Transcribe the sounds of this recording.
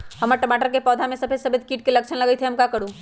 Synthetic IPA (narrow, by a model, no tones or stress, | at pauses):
ɦɐməɾʈəmaːʈəɾkepɔːd̪ʱamẽsɐbʰesɐbet̪kiːʈkelɐkt͡ʃʰənlɐɡəit̪ʰeɦɐmkakəɾũ